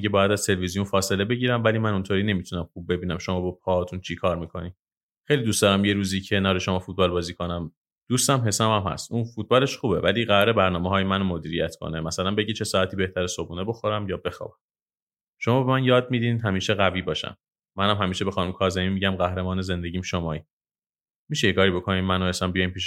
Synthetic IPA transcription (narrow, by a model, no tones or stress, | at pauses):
iɟebɒːjæd̪æz̥t̪ʰe̞levizijunfɒːse̞le̞be̞ɟiːɾæmvæliːmænunt̪ʰoːɾiːne̞mit̪ʰunæmxub̚ːe̞biːnæmʃo̞mɒːbepʰɒt̪ʰunt͡ʃʰikʰɒːɾmiːkʰo̞ni | xejlid̪ust̪ɒːɾæmje̞ɾuːziːcʰenæːɾeʃomɒːfut̪̚bɒːlbɒːziːkʰo̞næm | d̪̥uːst̪æmɦe̞sæmæmhæ̰st̪ʔunfut̪̚bɒːle̞ʃxuːbe̞̰væliːɣæɾɒɾe̞bæɾnɒːmeɦɒːjemænomo̞d̪iːɾijæt̪ʰkʰo̰nemæsælænbe̞ɟit͡ʃʰe̞sɒːæt̪ʰiːbe̞ht̪ʰæɾesobuːneboxo̞ɾæmjɒːbe̞xɒ̰ːbæm | ʃomɒːbemænjɒːd̪̚mid̪id̪ɦæmiːʃeɣæviːbɒːʃæ̰mː | ænhæmɦæmiːʃebexɒːnumkʰɒːzemimiɟæmɢæhɾemɒːneze̞nd̪e̞ɟiːmʃomɒːi | miʃejekʰɒːɾibo̞kʰonimænohesæmbijɒjimpiːʃ